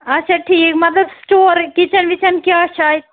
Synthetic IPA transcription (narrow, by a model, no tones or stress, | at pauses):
ɐtːʃʰaʈʰiːkmɐt̪ləbsʈoːɾkit͡ʃʰənʋit͡ʃənkiət͡ʃʰaj